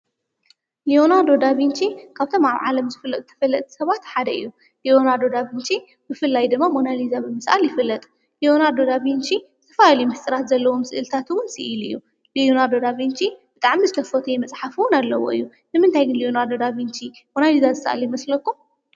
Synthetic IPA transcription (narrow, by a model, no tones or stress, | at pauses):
lionad̪o̞d̪aβint͡ʃʰikʰaβt̪ʰo̞maβʕalɐmzɨfɨlːɐt̪ʼɨt̪ʰɐ̥fɐlːɐt̪ʼsɐβat̪ħad̪ɐʔḭjːu | lio̞nad̪o̞d̪aβint͡ʃʰi | bɨfɨlːajd̪ɨmːamo̞nalizabɨmɨsʔa̰ljɪfɨlːɐt̪ʼ | lio̞nad̪o̞d̪aβint͡ʃibɨt̪ʰɐ̥falalijmɨħɨsʼɨɾat̪zɐlːɐwomsɨʔɨlt̪ʰat̪wʊnsɨ̰ʔɨlɨ̰jːu | lionad̪od̪aβint͡ʃʰibɨt̪ʼaʕmizɨt̪ʰɐfot̪ʰujɛmɐt͡sʼħafuwʊnalːɐwo̰ʔɨjːu | nɨmɨnt̪ʰajɡɨnlionad̪o̞d̪aβint͡ʃʰimo̞nalizazɨsʔa̰ljɪmɐslɐkːum